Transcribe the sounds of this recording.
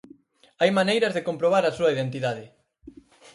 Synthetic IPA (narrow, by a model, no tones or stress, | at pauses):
ajmanejɾɐzðekompɾoβ̞aɾɐsuɐiðent̪iðaðɪ